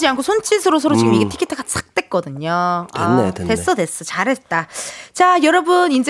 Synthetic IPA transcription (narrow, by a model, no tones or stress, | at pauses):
d͡ʑiankʰosʰont͡ɕ͈ʰisʰɯɾosʰʌɾot͡ɕiɡɯmiɡetʰi̥kʰitʰɡas͈ʰḁk̚t͈ek͈ʌdɯɲoa̰ate̞s͈ʌde̞s͈ʌt͡ɕaɾɦe̞t̚t͈at͡ɕajʌɾʌbɯnind͡ʑe